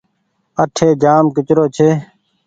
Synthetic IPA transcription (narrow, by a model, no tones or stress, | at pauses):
əʈʰeːd͡ʒaːmkɪt͡ʃɾoːt͡ʃʰeː